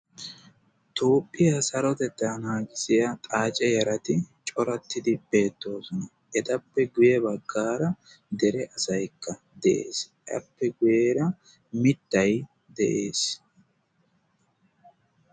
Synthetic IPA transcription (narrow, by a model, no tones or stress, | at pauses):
t̪uːpʼːɪjɐsɐɾɔt̪ɛd̪ɐnhaːɡɪsɪjɐt̪ʼaːt͡ʃʼɛjɐɾɐt̪ɪt͡ʃʼɔɾɐt̪ːɪd̪ɪb̥e̞ːt̪ːo̞ːsɔnɐ | ɛt̪ɐpːɛɡʊjɛbɐɡːaːɾɐ | d̪ɛɾɛʔɐsɐjkʰːɐ | d̪ɛʔḛːs | ʔɐ̰pːɛɡʊjeːɾɐ | mɪt̪ːɐj | d̪ɛʔe̞ːs